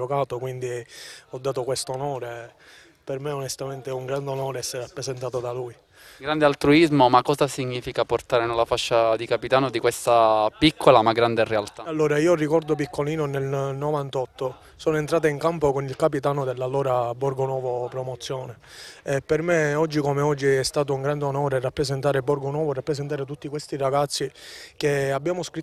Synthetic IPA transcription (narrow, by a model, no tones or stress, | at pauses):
okaːt̪okwind̪iɔd̪ːaːt̪okwest̪onɔːɾe | permeonest̪ament̪euŋɡɾand̪eonɔːɾeɛsːeɾapɾezent̪aːt̪od̪aluj | ɡɾand̪ealt̪ɾuizmomakːɔːzasiɲːiːfikaport̪aːɾenelːafaʃːad̪ikapit̪aːnod̪ikwest̪apikʰːolamaɡɾand̪erealt̪aalːoːɾaiːorikɔrd̪op̬ikːoliːnonelnovant̪ɔt̪ːo | soːnoent̪ɾaːt̪aiŋkampokonilkap̬it̪aːnod̪elːalːɔːɾaborɡonwɔːvopɾomot̪sːjɔːne | ɛpːermeɔd͡ʒːikomeɔd͡ʒːiɛst̪aːt̪ouŋɡɾand̪eonɔːɾerːapːɾezent̪aːɾebɔrɡonwɔːvoerːapːɾeszent̪aːɾet̪ut̪ːikwest̪iraɡat̪sːikeabːjaːmoskɾi